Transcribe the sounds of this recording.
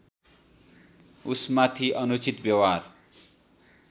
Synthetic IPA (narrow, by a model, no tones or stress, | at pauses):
usmat̪ʰiʔʌnut͡sit̪bjʌwar